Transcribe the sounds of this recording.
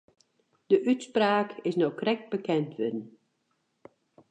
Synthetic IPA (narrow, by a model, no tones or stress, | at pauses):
d̥əʔytspraːkɪsnɔwkrɛk̚t̚bəkɛntʋɪdən̩